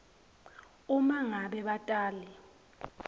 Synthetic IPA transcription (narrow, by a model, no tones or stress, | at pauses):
umaŋaɓɛɓatʼaːlɛ